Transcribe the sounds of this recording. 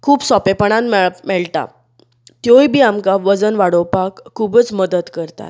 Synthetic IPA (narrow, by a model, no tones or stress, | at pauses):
kʰuːbsɔpepəɳ̃ãnmmɛɭt̪a̰ | t̪jojbʱiːamkaʋəd͡zənʋaɽowpakʰːubət͡sməd̪ət̪kəɾt̪a̰t̪